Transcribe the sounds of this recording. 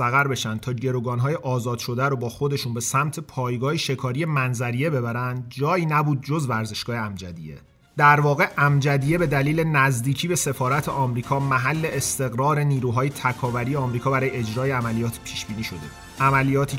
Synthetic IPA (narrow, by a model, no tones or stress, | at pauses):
sæɣæɾbe̞ʃænd̪̚t̪ʰɒːɟe̞ɾoɡɒːnɦɒːjeʔɒːzɒːd̪̥ʃo̞d̪æɾobɒːxod̪e̞ʃunbe̞sæmt̪ʰe̞pʰɒːjɡɒːhiʃe̞kʰɒːɾije̞mænzæɾije̞be̞bæɾænd̪̚d͡ʒɒːiːnæbuːd̪̚d͡ʒo̞zvæɾze̞ʃɡɒːheæmd͡ʒæ̰d̪ḭje̞̰ | d̪̥æɾvɒːɣe̞ʔæmd͡ʒæd̪ije̞be̞d̪æliːle̞næzd̪iːcʰiːbe̞se̞fɒːɾæt̪ʰeʔɒːmɾiːkʰɒːmæɦælːe̞ːst̪e̞ɣɾɒːɾe̞niːɾuːɦɒːje̞t̪ʰækʰɒːvæɾijeɒːmɾiːkʰɒːbæɾɒːjeed͡ʒɾɒːjeæmælijɒːt̪ʰpʰiːʃb̥iːniːʃo̞d̪e̞bu | ʔæmælijɒːt̪ʰiː